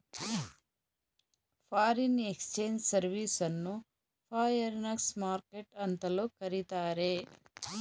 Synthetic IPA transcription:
pʰaːɾinekst͡ʃeːɲd͡ʒsɐɾʋiːsɐnːu | pʰaːjɐɾnɐksmaːɾkeʈɐnt̪ɐloːkɐɾit̪aːɾeː

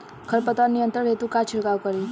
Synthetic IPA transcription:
kʰəɾpət̪anijənt̪əɽɦet̪ũkat͡ʃʰiɭkaʋkəɾi

